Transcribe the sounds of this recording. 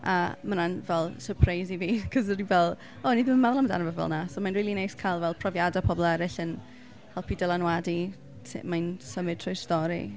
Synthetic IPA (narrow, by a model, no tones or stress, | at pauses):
a̰mananvɛlˠsəpʰrajziviːkʰəzəɾivɛlˠ | ɔniðɪməmaðlˠamda̰nəvəvɔ̰lˠnasomanriːlˠinejskʰajlˠvɛlˠpʰrɔvjadapʰɔblˠɛɾɪɬən | hɛlˠpʰidɛlˠanwadi | tʰmansəmɪd̚tʰrɔjstɔɾḭ